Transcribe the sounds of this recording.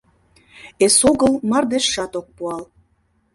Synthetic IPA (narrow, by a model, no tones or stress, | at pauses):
esoɣəlmɑrd̪eʃːɑt̪ok̚puɑl